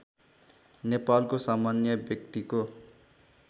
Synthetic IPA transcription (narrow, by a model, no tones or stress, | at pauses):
nepalkosamanjʌbjʌk̚t̪iko